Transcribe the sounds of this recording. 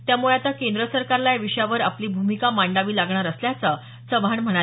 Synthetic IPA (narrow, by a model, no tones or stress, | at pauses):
t̪jamuɭeat̪akend̪ɾəsəɾkaɾlajʋiʂjaʋəɾapliːbʱumikamaɳɖaʋiːlaɡɳaɾəsljat͡sə | səʋʱaɳm̤əɽa